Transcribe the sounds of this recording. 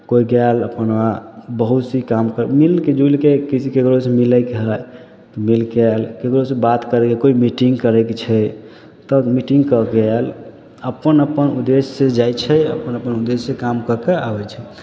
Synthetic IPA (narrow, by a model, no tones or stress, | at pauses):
koiɡɛləpənwabəɦut̪sikamkəɾmilked͡ʒulkekisikekɾosemiləkeɦəj | t̪ɔmilkɛlkekɾosebat̪kəɾɛkekoimiʈiŋɡkəɾɛket͡ʃʰɛ | t̪ɔmiʈiŋɡkəɡɛl | əpənəpənud̪esːed͡ʒajt͡ʃʰɛə̰pənəpənud̪esːekamkəɾkeabɛt͡ʃʰɛ